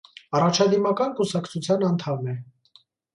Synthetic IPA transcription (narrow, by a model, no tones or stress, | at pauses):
ɑrɑt͡ʃʰɑd̪imɑkɑnkusɑkt͡sʰut͡sʰjɑnɑnt̪ʰɑmːɛ